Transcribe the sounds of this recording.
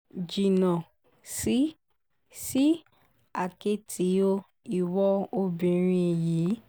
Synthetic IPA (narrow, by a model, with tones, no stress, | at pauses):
d͡ʒi˨nã˨ | si˨˦ | si˦ | a˨ke˧˦tʰi˨˦o˧ | i˨wɔ˧o˧bĩ˨ɾ̃ĩ˧˨jiː˨˦